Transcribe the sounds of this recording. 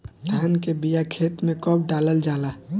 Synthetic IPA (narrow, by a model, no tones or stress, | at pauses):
d̪ʱaːnkebijakʰeːt̪mẽkəp̚ɖaːləld͡ʒaːla